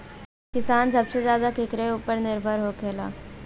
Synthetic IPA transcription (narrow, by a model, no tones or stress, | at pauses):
kɪsaːnsɐbsezjaːd̪akɪkɾeuːpəɾnɪɾbʱəɾɦokʰeːla̰ː